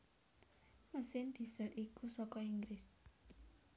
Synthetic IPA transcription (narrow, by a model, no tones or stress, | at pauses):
məsɪnd̪̥i̤səlikusɔkɔiŋɡɾɪs